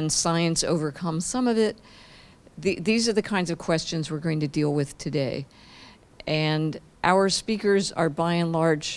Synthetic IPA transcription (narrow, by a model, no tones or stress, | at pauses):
nsaɪɨ̃nso̰ʊvə˞kʰʌ̃m̥sʌ̃mʌvɪt̪̚ | ðiðizə˞ðɨkʰãɪ̃ndzʌv̥kʰw̥ɛst͡ʃɨ̃nzwɨɹɡoʊɪ̃ŋtʰɨdilˠwɪð̥tʰɨdeɪ | ʔɨ̃n | ʔaʊə˞spikə˞zə̰˞baɪɨ̃nlɑɹd͡ʒ̥